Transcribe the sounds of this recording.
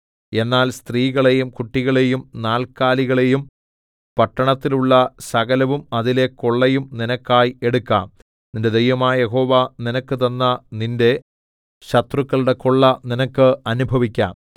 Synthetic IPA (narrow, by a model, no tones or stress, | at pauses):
e̞nːaːlst̪riːɣɐɭe̞jumkuʈːiɣɐɭe̞jumnaːlkaːliɣɐɭe̞jum | pɐʈːɐɳɐt̪ːiluɭːɐsɐɣɐlɐʋumɐðile̞ko̞ɭːejumninɐkːaːje̞ɽukːa̰ːm | ninde̞d̪ejʋɐmaːje̞ɦo̞ːʋaːninɐkːɨt̪ɐnːɐninde̞ | ɕɐt̪rukːɐɭuɽe̞koɭːɐninɐkːɨɐnubʱɐʋikʲːa̰ːm